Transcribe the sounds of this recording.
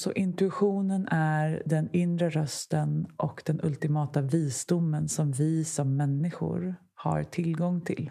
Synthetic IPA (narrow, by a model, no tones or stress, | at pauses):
sɔʔɪnt̪ɵɪɧuːnənæɾɖ̪ɛnɪnd̪ɾəɾœst̪ənʔɔkd̪̥ɛnʔɵ̰lt̪ɪmɑːt̪aviːsd̪ʊmːənsɔmvɪsɔmːɛnːɪɧʊ̰ɾ | ha̰ɾʈʰɪlɡɔŋːt̪ʰɪ̰l